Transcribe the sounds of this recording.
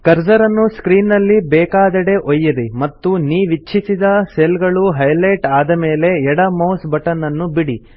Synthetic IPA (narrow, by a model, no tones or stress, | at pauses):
kɐɾd͡ʒɐɾɐnːuskɾiːnːɐlːibɛːkaːd̪ɐɽe̞ʔojːɐɾimɐt̪ːuniːʋit͡ʃːʰisid̪ɐselɡɐɭuɦɐjlɐjʈaːd̪ɐme̞ːle̞ɛɽɐmɐwsbɐʈɐnːɐnːubiɽi